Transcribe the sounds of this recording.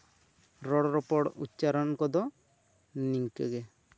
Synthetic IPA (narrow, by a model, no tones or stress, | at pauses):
ɾɔɽɔɾɔpɔɽṵtːt͡ʃaɾɔnkɔd̪ɔ | niŋkɛɡe